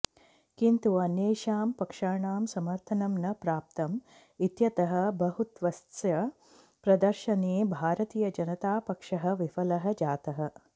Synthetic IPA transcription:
kint̪uɐnjeːʃaːmpɐkʂaːɳaːmsɐmɐɾt̪ʰɐnɐmnɐpɾaːp̚t̪ɐm | it̪jɐt̪ɐɦɐ̆bɐɦut̪ʋɐst̪jɐ | pɾɐd̪ɐɾʃɐneːbʱaːɾɐt̪iːjɐd͡ʒɐnɐt̪aːpɐkʂɐɦɐ̆ʋifɐlɐɦɐ̆d͡ʒaːt̪ɐɦɐ̆

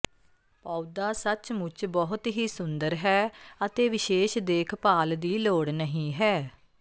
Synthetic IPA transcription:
paːud̪aːsət͡ʃmʊt͡ʃbɔːɦʊt̪ɦiːsʊnd̪əɾɦɛːət̪eːʋɪʃeːʃd̪eːkʰpaːld̪iːloːɽnəɦĩːɦɛː

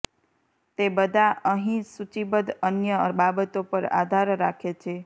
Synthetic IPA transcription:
t̪ebəd̪ʱaʔəɦĩsut͡ʃibəd̪ənjəəbabət̪opəɾa̰d̪ʱaɾːakʰet͡ʃʰe

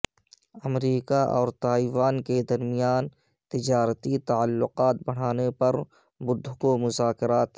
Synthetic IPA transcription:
ɐmɾiːkaʔɔ̰ːɾt̪aːiːwaːnked̪ɐɾmijaːn | t̪ɪd͡ʒaːɾt̪it̪aəlːʊqaːt̪bɐɽ̤aːnepɐɾ | bʊd̪ʱːʊkomʊzaːkɪɾaːt̪

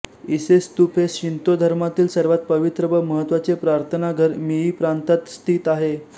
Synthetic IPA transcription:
isest̪upeɕint̪od̪ʱəɾmat̪iːlsəɾʋat̪̚pəʋit̪ɾəbəməɦət̪ʋat͡sepɾaɾt̪ʰənaɡʱəɾmiiːpɾant̪at̪st̪ʰiːt̪aɦe

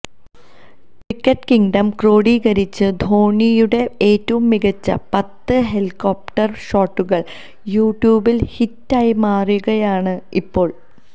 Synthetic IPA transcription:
ʈikːɐʈkiŋɖɐmkro̞ːɽiːɡɐɾit͡ɕːɨd̪ʱo̞ːɳijuɽe̞eːtːɐʋumːiɣɐt͡ɕːɐ̰pɐt̪ːɨɦeliko̞ːp̚ʈɐrɕo̞ːʈːuɣɐɭ | juːʈjuːbilhitːaːjimaːrjuɣɐjaːɳɨipːo̞ːɭ

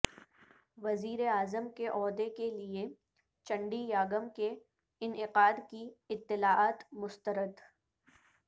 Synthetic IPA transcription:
ʋɐziːɾeaːzəmkeʔɔːd̪ekelie | t͡ʃɐ̃ɳɖijaːɡəmke | ɪnɪqaːd̪kiɪt̪ːɪlaːaːt̪mʊst̪əɾəd̪

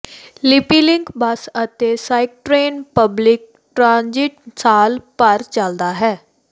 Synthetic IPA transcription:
lɪpiːlɪŋkbəsət̪eːsaːɪk̚ʈɾeːnpəblɪk̚ | ʈɾãːnd͡ʒɪʈsaːlpəɾt͡ʃəld̪aːɦɛː

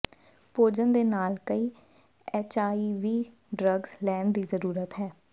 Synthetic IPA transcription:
poːd͡ʒənd̪eːnaːlkəiː | ɛt͡ʃaːiːʋiː | ɖɾəɡz̥lɛːnd̪iːzəɾuːɾət̪ɦɛː

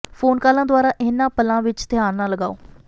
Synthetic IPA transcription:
pʰoːnkaːlãːd̪ʊaːɾaːʔɪnːãːpəlãːʋɪt͡ʃt̪ɪaːnnãːləɡaːoː

